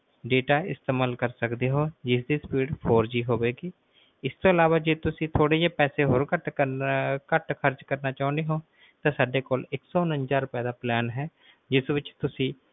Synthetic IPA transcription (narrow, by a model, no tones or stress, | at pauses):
ɖeːʈaːɪst̪eːmaːlkəɾsəkd̪eːɦoːd͡ʒɪsd̪iːspiːɖpʰoːɾd͡ʒiːɦoːʋeːɡiː | ɪst̪oːɪlaːʋaːd͡ʒeːt̪ʊsĩːt̪ʰoːɽeːd͡ʒeːpɛːseːɦoːɾkəʈəkəʈkʰəɾd͡ʒkəɾnaːt͡ʃaːʊ̃nd̪eːɦoː | t̪ãːsaːɖeːkoːlɪksɔːnə̃nd͡ʒaːɾʊpɛːd̪aːplɛːnɦɛː | d͡ʒɪsʋɪt͡ʃt̪ʊsĩː